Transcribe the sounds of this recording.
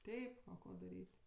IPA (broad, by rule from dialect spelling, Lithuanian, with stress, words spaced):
ˈtʲɛɪp ˈkoː dɐˈrʲiːtʲ